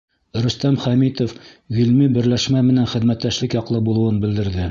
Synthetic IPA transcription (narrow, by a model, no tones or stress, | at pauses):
ɾɵ̆st̪æmχæmit̪of | ɡɵlmibɘ̆ɾlæʃmæmɘ̆nænχɘ̆ðmæt̪ːæʃlɘkjɑqlˠɤbulˠɤ̆wɤnbɘ̆ld̪ɘ̆ɾðɘ